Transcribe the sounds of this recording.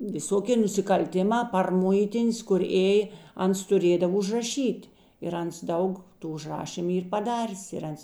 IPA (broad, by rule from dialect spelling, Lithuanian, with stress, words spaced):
ʋʲɪˈsoːkʲeː nʊsʲɪkɐlʲˈtʲɪˌmɑː pɐr ˈmʊɪtʲɪnʲs kʊr ˈeːjeː ˈɐns tʊˈrʲeːdɐw ʊʒrɐˈʃʲiːtʲ ɪr ˈɐns ˈdɐʊk ˈtuː ʊʒˈrɑːʃʲiːmʊ ˈiːr pɐˈdɑːrʲeːs ɪr ˈɐns